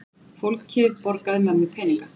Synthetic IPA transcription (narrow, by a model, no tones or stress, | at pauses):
fowlkcʰːɪːðpɔɾkaðɪmanmːɪpʰɛːniŋkḁ